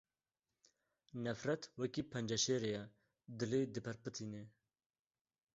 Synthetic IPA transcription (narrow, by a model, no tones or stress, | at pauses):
nɛfɾɛt̪wɐkipʰɛnd͡ʒɐʃeːɾejɛ | d̪ɨleːd̪ɨpʰɛɾpɨt̪ʰiːne